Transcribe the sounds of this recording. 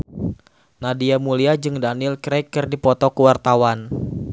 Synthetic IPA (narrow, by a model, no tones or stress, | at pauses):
nadiamuliad͡ʒɨŋdanɪlkɾɛkːɨrdipɔt̪ɔkuwart̪awan